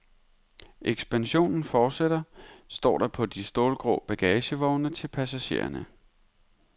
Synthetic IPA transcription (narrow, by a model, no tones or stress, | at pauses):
ʔeɡ̥sb̥ænɕo̝̰ːnn̩fɒːd̥sed̥ɐsd̥ɒ̰ːd̥ɑ̈pʰɒ̽d̥isd̥o̝ːlɡ̥ʁo̰ːb̥æɡ̥ɛːɕəʋɒʊnət͡sʰe̝lpʰæsæɕe̝̰ːɐ̰nə